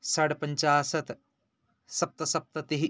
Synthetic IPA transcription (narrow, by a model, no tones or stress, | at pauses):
sɐɽɐpɐɲt͡ʃaːsɐt̪ | sɐp̚t̪ɐsɐp̚t̪ɐt̪iɦi